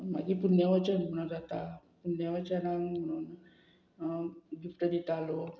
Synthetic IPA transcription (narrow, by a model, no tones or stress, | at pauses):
maɡipunjaʋat͡ɕanmuɽ̃ad͡zat̪a | punːjaʋat͡ɕanaŋməɽ̃uːn | ɡifʈəd̪it̪alo